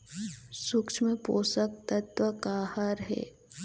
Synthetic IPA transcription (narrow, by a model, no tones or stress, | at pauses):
sʊkt͡ʃʰmẽpoːsək̚t̪ɐt̪ʋəkaːhəɾɦɛ̰ː